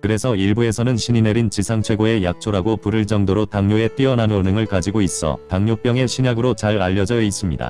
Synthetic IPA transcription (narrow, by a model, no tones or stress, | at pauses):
kɯɾe̞sʰʌiɭbue̞sʰʌnɯnɕʰinineɾint͡ɕisʰaŋt͡ɕʰwe̞ɡoe̞jak̚t͡ɕʰoɾaɡopuɾɯɭt͡ɕ͈ʌŋdoɾotaŋɲoe̞t͈iʌnanonɯŋɯɭkad͡ʑiɡois͈ʌ̰taŋɲop͈jʌŋe̞ɕʰiɲaɡɯɾot͡ɕaɾaʎːʌd͡ʑʌis͈ɯmɲḭda̰